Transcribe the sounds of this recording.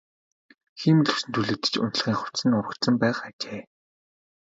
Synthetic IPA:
xiːmɮɵ̥̆sɘ̆nt̪ʰuɮɘ̆k̚t̪ɘ̥̆t͡ɕʊ̰nt̪̆ɮ̆ʁiːŋχʊ̥t̪sɘ̆nʊɾə̆kt̪sə̆mpæːχat͡ɕeː

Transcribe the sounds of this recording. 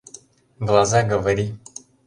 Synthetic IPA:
vlazaɡɔvɛɾi

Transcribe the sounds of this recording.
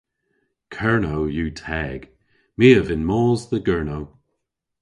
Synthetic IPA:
kʰɜɹnowjuːtʰɛɡ̥ | miːəvɪnmɔːzðəɡɜɹnoʊ

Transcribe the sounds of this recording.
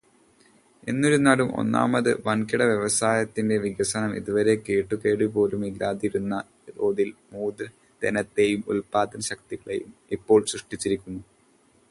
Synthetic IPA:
e̞nːo̞ɾunaːɭumo̞̰nːa̰ːmɐðɨ̰ʋɐɳkiɽɐʋjeʋɐsaːjɐt̪ːinde̞ʋiɡɐsɐnɐmḭðuʋɐɾe̞ke̞ːʈːuke̞ːɽipo̞ːlumilːaːðiɾunːɐ | d̪oːðilmuːd̪ɾɐ | d̪enɐt̪ːe̞jumṵlpaːt̪ːɐnɕɐk̚t̪iɣɐɭe̞̰jumipːo̞ːɭsɾuʂʈit͡ɕːiɾikʲːunːu

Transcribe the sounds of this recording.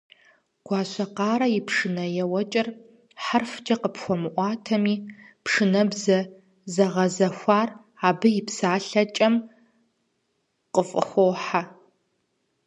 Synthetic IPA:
ɡ̥ʷɑːɕʷɐqɑːɾɐjɪpʰʂɨnɐjɛwɐt͡ʃʼɪr | ħarfd͡ʒʼɐqəpxʷɔmɨʔʷɑːtʰɐmiːpʰʂɨnɐbzɐ | zɐʁɐzɐxʷaːr | aːbɨjɪpsaːɬɐt͡ʃʼɐm | qəfʼɨ̰xʷoːħa

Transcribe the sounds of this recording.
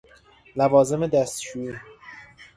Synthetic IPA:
lævɒːze̞med̪æst̪t͡ʃuːi

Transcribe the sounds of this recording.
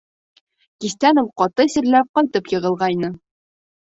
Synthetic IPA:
kist̪ænŏwqɒt̪ɤsɘ̆ɾlæp̚qɒjt̪ɤpjɤ̆ʁɤ̆lˠʁɑjnɤ

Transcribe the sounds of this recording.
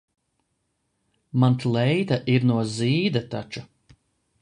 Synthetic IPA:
mant̪lˠɛjt̪aʔiɾnuɔziːd̪at̪at͡ʃu

